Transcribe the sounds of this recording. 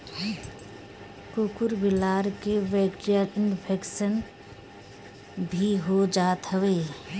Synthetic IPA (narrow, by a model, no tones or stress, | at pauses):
kokʊɾbɪlaːɾkeʋɛːkʈijəɾɪnpʰeːkʃən | bʱiɦod͡ʒaːt̪ɦəʋeː